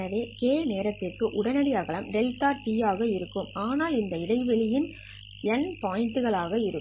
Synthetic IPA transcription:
ɐʋeːkeːneːɾɐt̪ːɪrkɯʔʊɽɐnɐɽɪɐɣɐɭɐmɖɛlt̪aːʈiːjaːɣɐɪɾɯkːɯmaːnaːlɪnd̪ɐɪɽɐɪʋɛɭɪjɪn | ɛnpaːjɪnʈɯɣɐɭaːɣɐɪɾɯkː

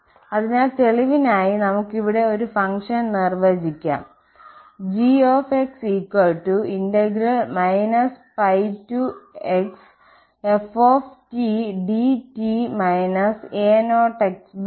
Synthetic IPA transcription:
ɐðinaːlt̪e̞ɭiʋinaːjinɐmukːiʋiɽe̞o̞ɾufɐŋʂɐnnirʋɐd͡ʑikʲːa̰ːm | d͡ʑioːfeksiːkːwɐɭʈːuindeɡiɾɐɭmɐjnɐspɐjtueks | efoːftiɖitimɐjnɐseːnoːʈɐks

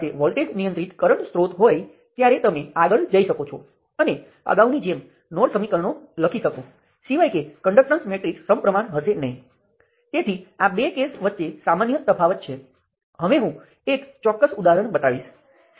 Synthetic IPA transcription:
eʋɔlʈeɡnijənt̪ɾit̪kəɾəɳsɾot̪ɦoj | t̪jaɾet̪əmeaɡəɭd͡ʒəiʃəkot͡ʃʰɔ | əne | ə̰ɡaunid͡ʒem | noɽsəmikəɾəɳoləkʰiʃəko | siʋajkekəɳɖək̚ʈənsmeʈɾiksːəmpɾəmaɳɦəsenəɦĩ | t̪et̪ʰiabekesʋət̪ːʃesamanjət̪əfʰaʋət̪̚t͡ʃʰe | ɦəʋeɦũ | ekt͡ʃɔkːəsud̪aɦəɾəɳbət̪aʋiʃ

